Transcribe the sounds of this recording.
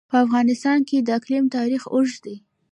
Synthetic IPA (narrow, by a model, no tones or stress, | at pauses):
pəafɣɑnɪst̪ɑnked̪əaklimt̪ɑɾixoʒd̪e